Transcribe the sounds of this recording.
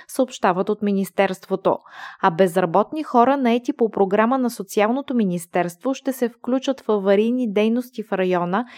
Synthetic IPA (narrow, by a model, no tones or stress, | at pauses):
səopʃt̪avət̪ot̪minist̪ɛɾst̪vot̪o̰ɐbɛzɾɐbɔt̪nixɔɾənɐɛt̪ipopɾoɡɾamənɐsot̪sialˠnot̪ominist̪ɛɾst̪voʃt̪ɛsɛfklʲut͡ʃət̪fəvɐɾid̪nid̪ɛjnost̪ifɾɐjɔnə